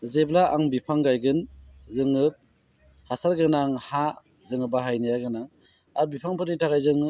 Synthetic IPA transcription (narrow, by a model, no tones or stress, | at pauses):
zeblaʔa̰ŋbipʰaŋɡajɡɯnzɯŋɯp̚ | hasaɾɡɯnaŋha | zɯŋɯbaɦajnajaɡɯnaŋ | aɾbipʰaŋpʰɯɾnitʰaɡajzɯŋɯ